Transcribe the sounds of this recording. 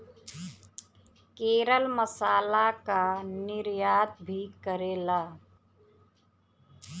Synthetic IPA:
keːɾəlməsaːlakanɪɾjaːd̪̚bʱikəɾeːlaː

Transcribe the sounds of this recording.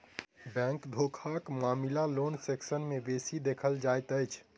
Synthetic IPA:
bɛ̃ŋkd̪ʱokʰakmaːmilalonseksənmebesid̪ekʰəld͡ʒajt̪əjt͡ʃʰ

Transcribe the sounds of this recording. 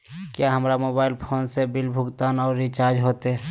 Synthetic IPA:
kjaɦəmɾamoːbaːɪlpʰoːnsebɪlbʱʊɡt̪aːnɔːɾːit͡ʃaːɾd͡ʒɦoːt̪eɦɛ

